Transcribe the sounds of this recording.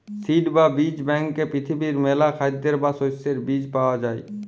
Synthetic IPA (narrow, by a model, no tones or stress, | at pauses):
siːʈbabid͡ʒbɛ̃ŋkːepɾɪt̪ʰibiɾmeːlakʰad̪ːeɾbasojseɾbiːd͡ʒpaːwad͡ʒaːḛ